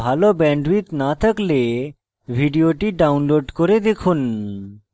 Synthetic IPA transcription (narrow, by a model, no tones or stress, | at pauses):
aːlobɛ̃ːɳɖʋiːt̪naːt̪əkle | ʋʱiɖijoʈiɖaʊnloːɖkɔɾed̪ekʰun